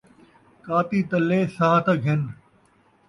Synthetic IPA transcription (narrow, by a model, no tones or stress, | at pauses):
kaːt̪iːt̪ɐlːeːsaɦt̪ɐɡɦɪn